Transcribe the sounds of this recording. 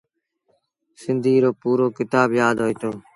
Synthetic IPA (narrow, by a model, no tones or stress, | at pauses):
sɪnd̪ʱiːɾoːpuːɾoːkɪt̪aːbjaːd̪ɦoːiːt̪oː